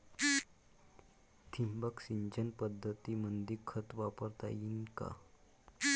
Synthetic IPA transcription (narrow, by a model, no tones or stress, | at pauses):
t̪ʰimbəksiɲd͡ʑənpəd̪ʱːət̪imənd̪ikʰət̪ʋapəɾt̪a̰jinka̰